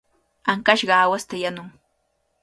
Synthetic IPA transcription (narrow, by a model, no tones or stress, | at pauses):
aŋkaʃɢɑːwast̪ajanʊŋ